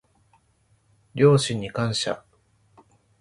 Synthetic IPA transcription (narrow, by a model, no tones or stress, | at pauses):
ɾʲo̞ːɕĩɲ̟ːikãɰ̃ɕa̰